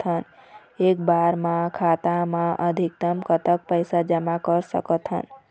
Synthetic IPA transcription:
t̪ʰɦən | ek̚baɾmãkʰat̪amãʔəd̪ʱik̚t̪əmkət̪ək̚pəjsad͡ʒəmakəɾsə̰kət̪ʰɦə̰n

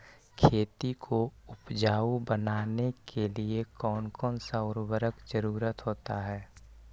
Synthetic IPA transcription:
kʰeːt̪ikʰoʊpd͡ʒaːubənaːnekʰeliekɔːnkɔːnsaʊɾbəɾəkd͡ʒəɾuːɾət̪ɦoːt̪aɦɛː

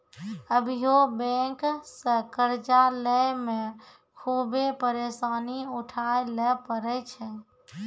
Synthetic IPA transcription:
əbʱijobɛ̃ksəkəɾd͡ʒaləjmẽ | kʰubepəɾesaːniuʈʰajlɛpəɾɛt͡ʃʰɛ

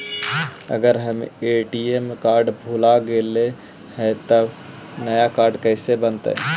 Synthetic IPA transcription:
ə̰ɡəɾɦəmeʈiemkaːɾɖbʱulaɡele | hɛt̪əb | nəjakaːɾɖkəɪsebənt̪ə̰

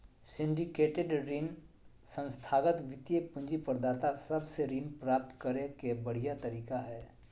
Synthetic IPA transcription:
sɪ̃ɳɖɪkeːʈeɖɾiːn | sə̃nst̪ʰaːɡət̪ʋɪt̪jepʊ̃ɲd͡ʒipɐɾd̪aːt̪asɐbseɾiːnpɾaːp̚t̪kɐɾekebɐɽ̤ijat̪ɐɾiːkaɦɛː

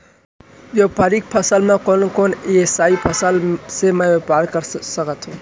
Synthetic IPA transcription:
ʋjopaɾik̚pʰəsəlmẽkonkoneesaipʰəsəlsemɛʋepaɾkəɾsəkət̪ɦũ

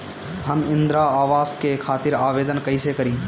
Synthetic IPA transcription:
ɦəmɪ̃nd̪ɾaaːʋaːskekʰaːt̪ɪɾaːʋeːd̪ənkɐɪsekəɾĩː

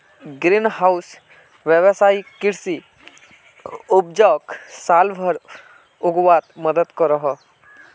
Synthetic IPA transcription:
ɡɾinɦaʊs | ʋjəʋsaːikɪɾsi | ʊpd͡ʒaːksaːlbʱəɾ | ʊɡwaːt̪məd̪əd̪kɔɾəɦɔ

